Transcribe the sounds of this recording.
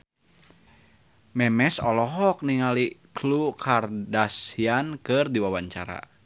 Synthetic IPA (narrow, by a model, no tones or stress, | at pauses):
mɛmɛsɔlɔɦɔk̚niŋaliklukʰardasiankɨrdiwawaɲt͡ʃa̰ɾa̰